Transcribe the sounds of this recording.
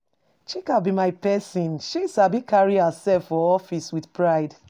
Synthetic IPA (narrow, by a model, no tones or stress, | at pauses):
t͡ʃikabimaɪpɛsɔ̃nʃisabikʰaɹihəsɛlfːɔɔfiswiθpɹaɪd